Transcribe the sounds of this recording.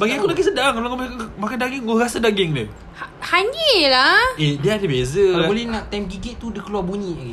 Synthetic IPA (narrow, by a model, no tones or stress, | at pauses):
əbaɡiakulakisədaŋkalakamaakamakadaɡɪŋoɾasadaɡɪŋdə̰ | hahaɲelaediaadəbezəaabolɛhnãʔt̪amɡiɡɛʔ̚t̪ːudəkəluarbuɲĩaɡi